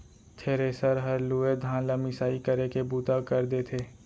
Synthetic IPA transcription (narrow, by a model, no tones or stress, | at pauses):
t̪ʰeːɾeːsəɾɦɐɾlued̪ʱãːlamɪsaːikɐɾekebuːt̪akɐɾd̪et̪ʰeː